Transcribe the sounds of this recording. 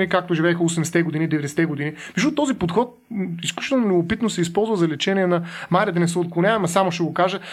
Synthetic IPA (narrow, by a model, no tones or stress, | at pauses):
nikak̚t̪oʒivɛːxəosɛmd̪ɛsɛt̪ɛɡod̪inid̪ɛvɛd̪ɛsɛ̥t̪ɛɡod̪inimiʒut̪ːt̪ːɔzipot̪xɔt̪̚isklʲut͡ʃi̥t̪ɛlˠnomlʲobopit̪nosɛispɔlˠzvəzɐlɛt͡ʃɛniɛnɐmaɾʲiəd̪ɐnɛsɛot̪̚klˠonʲavɛmɐsamoʃt̪ɛɡokaʒə